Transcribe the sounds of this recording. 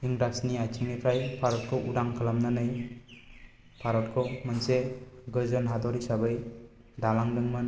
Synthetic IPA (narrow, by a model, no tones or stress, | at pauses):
iŋɾasniajt͡ʃʰiŋnipʰɾajpʰaɾɔt̚kʰɔʔudaŋkʰalamnanɯj | pʰaɾɔt̚kʰɔmɯnseɡɯzɯnɦad̪ɔɾisabɯj | dalaŋdɯŋmɯn